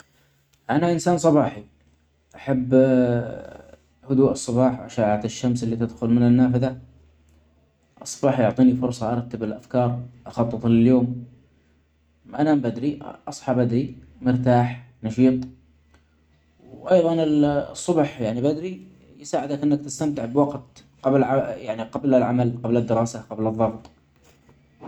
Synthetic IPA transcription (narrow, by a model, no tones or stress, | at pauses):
ʔanaʔɪnsaːnsˤɑbɑːħi | ʔaħabː | hʊd̪uːʔɨsˤːɑbɑːħwʔaʃaːʕat̪ɪʃːamsɪlːiːt̪ɪd̪xʊlmɪnɪnːaːfɪða | ʔɑsˤːɑ̥bɑːħjʊʕt̪ˤiːnifʊɾsˤɑʔɑɾˤɑt̪ːɪbɪlʔafkɑːɾˤʔɑxɑt̪ˤːɨt̪ˤlɪljoːm | ʔanambad̪ɾiʔɑsˤħɑbʔad̪ɾimɪɾt̪aːħnɑʃiːt̪ˤ | wʔɑjðˤɑnɪlsˤːʊbħjaʕnibad̪ɾi | jsaːʕɪd̪akʔɪnːak̚t̪ɪst̪amt̪ɪʕbwɑɡt̪ | qɑblʕajaʕniqɑblɪlʕamalqɑblɪd̪ːɪɾˤɑːsaqɑblɨðˤːɑɣt̪ˤ